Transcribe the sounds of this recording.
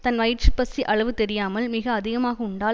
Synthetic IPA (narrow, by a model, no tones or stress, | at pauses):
t̪ɐnʋɐjɪʈt͡ʃɯpɐsiʔɐɭɐʋɯt̪ɛɾɪjaːmɐlmɪɣɐːðɪɣɐmaːɣɐʊɳɖaː